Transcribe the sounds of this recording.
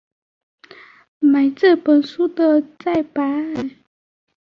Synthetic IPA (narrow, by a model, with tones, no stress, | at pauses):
ma˨˩ɪt͡sə˥˩pə˨˩nsu˥d̪ə˨t͡sa˥˩ɪpa˨˥˦